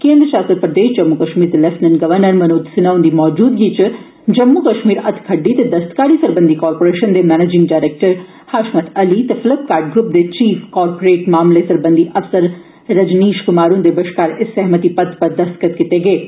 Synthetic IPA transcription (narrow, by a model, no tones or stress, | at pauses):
kẽːnd̪ɾəʃaːst̪ɾəpɾɐd̪eːʃd͡ʒɐmːukɐʃmiːɾt̪elɐsnɐnɡɐʋɐɾnɐɾmɐnoːd̪sɪnɐʋwnd̪imɔːd͡ʒuːd̪̚ɡiːt͡ʃɨ | d͡ʒɐmːukɐʃmiːɾɐt̪ʰkʰɐɖːit̪ed̪ɐst̪kaːɾiːsɐɾbɐnd̪ʱikɔːɾpoːɾeːʃɐnd̪emɛːneːd͡ʒɪŋɡɖaːɾeːk̚ʈɐɾ | haʃmɐt̪ɐlit̪efɪlɐp̚kaːɾɖ̚ɡɾup̚d̪et͡ʃiːfʰkɔːɾpoɾeːʈmaːmlesɐɾbɐnd̪ʱiʔɐfsɐɾː | ɐd͡ʒniːʃkʊmaːɾund̪ebɐʃkaːɾɪsɛɦmɐt̪ipɐd̪pɐɾd̪ɐst̪kɐt̪kɪt̪eːɡeː